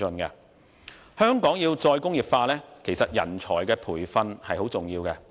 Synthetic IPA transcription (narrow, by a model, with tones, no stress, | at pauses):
ɵ˧nkɛ̰˧ | hœː˥ŋkɔː˨˥ŋjiː˧wt͡sɔː˧jkʊ˥ŋjiː˨p̚faː˧lɛː˥kʰe˨˩jsɐ˨t̚jɐ̰˨˩nt͡ʃʰɔː˨˩jkɛː˧pʰuː˨˩jfɐ˧nhɐ˨jɦo˨˥wt͡sʊ˨ŋjiː˧wkɛ˧